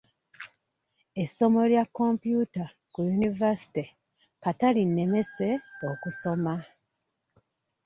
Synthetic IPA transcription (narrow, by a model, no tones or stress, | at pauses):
e̞sːo̞mo̞ljakːo̞mpjuta | kujunivasi̥ti | katalinːe̞me̞se̞okuso̞ma